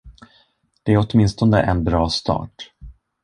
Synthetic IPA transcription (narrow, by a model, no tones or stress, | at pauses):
d̪̥ɛæɾɔt̪mɪnst̪ɔnd̪ə̰ʔɛnbɾɑːst̪ɑ̰ːʈ